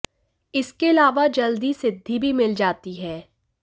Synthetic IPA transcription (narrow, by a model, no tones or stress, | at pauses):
ɪskeɐlaːʋad͡ʒɐld̪isɪd̪ʱːibʱimɪld͡ʒaːt̪iɦɛː